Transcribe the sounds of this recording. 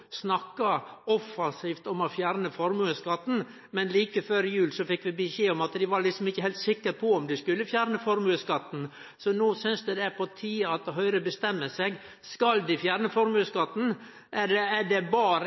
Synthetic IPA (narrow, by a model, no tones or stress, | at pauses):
snɑkːɑɔfːɑnsiːft̪ɔmɔfjæːɾnəfɔɾmʉəskɑt̪ːn̩ | mɛnliːkəføːɾɪjʉːlsɔfɪkːʋɪbəʃeːɔmɑt̪d̪ɪʋɑɾlɪksɔmɪçːəhɛlt̪sɪkːəɾpʰɔɔmd̪ɪskʉlːəfjæːɾnəfɔɾmʉləskɑt̪ːn̩ | sɔnuːsʏnsd̪ɛd̪ɛpʰɔt̪ʰiːɑɑt̪ɦœʏɾəbəst̪ɛmːəsɛɡ | skɑld̪ɪfjæːɾnəfɔɾmʉːskɑt̪ːn̩ | ʔæɖɛæɖɛbɑːɾə